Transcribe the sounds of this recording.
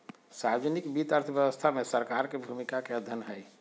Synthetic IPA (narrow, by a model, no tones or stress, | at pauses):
sajod͡ʒnikbit̪əɾt̪ʰʋjəwəst̪ʰamẽsəɾkaɾkebʱumikakeəd̪ʱənɦɛj